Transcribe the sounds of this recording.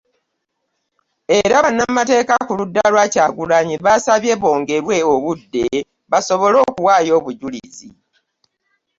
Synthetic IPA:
e̞ɾaβanːamːate̞ːkakuludːalwacaːɡulaɲiβasaβje̞βo̞ːŋɡe̞ɾwe̞oβudːe̞ | βaso̞βo̞lo̞ːkuwaːjo̞ːβuɟulḭzḭ

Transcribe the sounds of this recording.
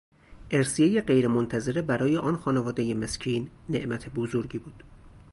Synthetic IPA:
ʔeɾsijejeɢejɾemont̪ʰæze̞ɾebæɾɒːje̞ʔɒːnxɒːnevɒːd̪e̞jemescʰiːnːeʔmæt̪ʰe̞bozoɾɟiːbuːd̪̥

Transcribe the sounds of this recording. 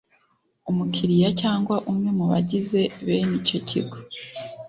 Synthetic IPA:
umukʰiɾijacaːŋɡwaʔumŋe̞muβa̰ɟize̞βeːnico̞cʰḭɡo̥

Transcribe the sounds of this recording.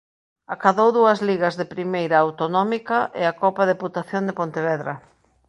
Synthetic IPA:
akaðowðuɐzliɣɐzðɪpɾimejɾɐːwt̪onɔmikɐʔɪ̰akɔpaðeput̪aθjond̪epont̪eβɛðɾɐ

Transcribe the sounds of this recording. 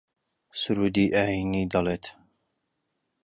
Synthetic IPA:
sʊɾuːd̪iːʔaːiniːd̪ɐleːt̪

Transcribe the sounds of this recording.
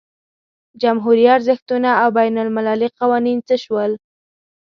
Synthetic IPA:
d͡ʒamɦuɾijɑt̪zəxt̪unaawbajnalmɪlaliqawɑnint͡səʃwəl

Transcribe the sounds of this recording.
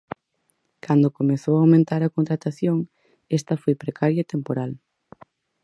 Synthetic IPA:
kʰand̪okomeθowawmẽnt̪aɾɐkont̪ɾat̪aθjoŋ | ɛst̪ɐfojpɾekaɾjɐet̪empoɾal

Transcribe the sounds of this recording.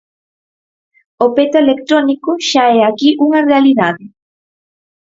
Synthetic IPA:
opet̪oelekt̪ɾonikoʃaɛakiʔuŋarealiðaðe

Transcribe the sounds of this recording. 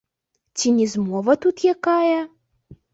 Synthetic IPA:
t͡sʲinʲɛzmɔvɐt̪ut̪jakajɐ

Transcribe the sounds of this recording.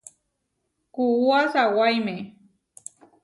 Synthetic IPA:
kuuasawajme

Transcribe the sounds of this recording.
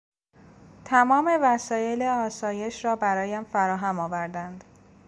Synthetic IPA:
t̪ʰæmɒːme̞væsɒːje̞leɒːsɒːje̞ʃɾɒːbæɾɒːjæmfæɾɒːɦæmɒːvæɾd̪ænd̪̥

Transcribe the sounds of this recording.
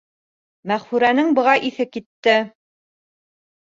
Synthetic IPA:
mæχfʉɾænɘŋbɤ̆ʁɑʔiθɘkit̪ːɘ

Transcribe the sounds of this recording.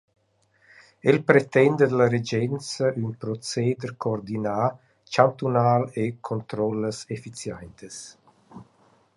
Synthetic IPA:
elpɾet̪ɛnd̪əd̪laɾed͡ʒɛnt͡səʔynpɾɔt͡seːd̪əɾkʰoːrd̪inaː | t͡ʃant̪unaːlekʰont̪ɾɔlːəsefit͡sjɛnt̪əs

